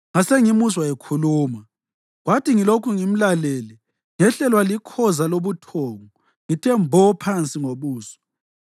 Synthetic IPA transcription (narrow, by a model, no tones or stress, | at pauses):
ŋaseŋimuswaekʰuluːma | ɣwatʰiŋilokʰuŋim̩laleli | ŋɛɬɛlwalikʰɔzaloβutʰɔːŋɔ | ŋitʰɛmbʱɔpʰant͡sʼiŋoβuːsɔ̥